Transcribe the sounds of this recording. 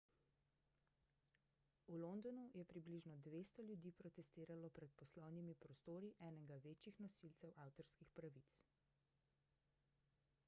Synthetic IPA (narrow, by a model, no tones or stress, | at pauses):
ulond̪ɔnujɛpɾibliʒnɔd̪ʋeːst̪ɔljud̪iːpɾɔt̪ɛst̪iːɾalɔpɾɛt̪̚pɔslɔwnimipɾɔst̪oːɾiʔɛːnɛɡaʋeːt͡ʃixnɔsilt̪sɛwʔaːwt̪ɔɾskixpɾaʋit̪s